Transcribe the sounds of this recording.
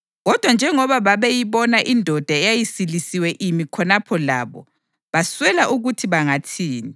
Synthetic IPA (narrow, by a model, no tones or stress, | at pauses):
ɣɔd̥ʱwand͡ʒʱɛŋɔβaβaβejiβɔnaʔindʱɔd̥ʱaɛjajisilisiwɛʔimikʰɔnapʰɔla̰ːβɔ̰ | βaswɛlaʔuɣutʰiβaŋatʰiːni